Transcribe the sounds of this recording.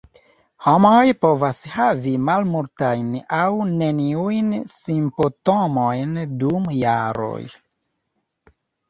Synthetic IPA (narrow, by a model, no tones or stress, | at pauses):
homojpo̞vashavimalmultajnawne̞niujnsimpotomojndumjaɾo̞̰j